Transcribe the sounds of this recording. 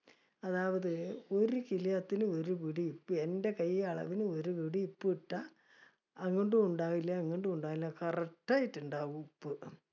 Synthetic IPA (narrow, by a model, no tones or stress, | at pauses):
ɐðaːʋɐðɨo̞ɾukilijɐt̪ːinɨo̞ɾuʋiɽiːpːɨe̞ndekɐjɐɭɐ̰ʋinɨo̞ɾuʋiɽiipːɨiʈːɐ | ɐŋːiɳɖɨuɳɖaːʋilːɐŋːiɳɖɨuɳɖaːɣilːɐkɐrɐk̚ʈːaːjitːuɳɖaːɣupːɨ